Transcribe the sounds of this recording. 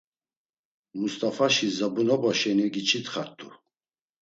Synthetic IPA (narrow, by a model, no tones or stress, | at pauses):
must̪ʼafaʃizabunɔbɔʃɛnɛɡit͡ʃʰit̪χaɾt̪ʰʼːu